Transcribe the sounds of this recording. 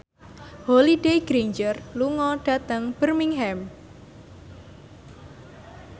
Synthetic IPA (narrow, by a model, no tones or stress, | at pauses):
holiɖeɡɾiɲd͡ʒərluŋɔɖ̥a̤t̪əŋb̥ərmiŋɦɛm